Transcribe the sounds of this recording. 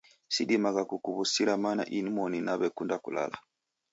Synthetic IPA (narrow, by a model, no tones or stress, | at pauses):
sidimaɡakukuβusiɾamana̰ʔinimɔninaβɛkundakṵla̰la̰